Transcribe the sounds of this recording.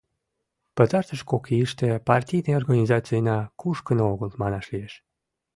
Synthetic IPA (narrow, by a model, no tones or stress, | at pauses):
pət̪ɑrt̪əʃkokʰiiʃt̪epɑrtʲijneorɣanʲizɑt͡sijənɑkuʃkənooɣəlmɑnɑʃlieʃ